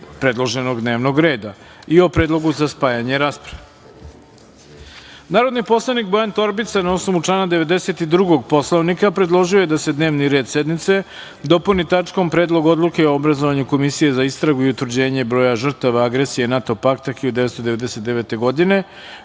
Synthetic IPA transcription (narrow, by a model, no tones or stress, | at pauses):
pɾe̞d̪lˠoʒe̞no̞ɡd̪ne̞ːʋno̞ɡɾe̞ːd̪a | io̞pɾed̪lˠo̞ɡuzaspaːjaɲeɾaːspɾaʋe | naːɾo̞d̪nipo̞slˠanik̚bo̞jant̪o̞ɾbit̪sanao̞snoʋut͡ʂlˠaːnad̪e̞ʋe̞d̪e̞se̞t̪id̪ɾuɡo̞ɡ̚po̞slˠoʋnikapɾe̞d̪lˠo̞ʒiojed̪ase̞d̪neːʋniɾe̞ːd̪se̞d̪mit̪se̞ | d̪o̞punit̪at͡ʂko̞mpɾe̞ːd̪lˠo̞ɡo̞d̪lˠuke̞oobɾazoʋaɲuko̞misije̞zaist̪ɾaɡuiut̪ʋɾd͡ʑe̞ːɲe̞bɾo̞ːjaʒr̩t̪aʋaaɡɾesije̞nat̪o̞pakt̪akiod̪e̞ʋetst̪od̪eʋe̞d̪eset̪d̪eʋe̞t̪e̞ɡo̞d̪ine̞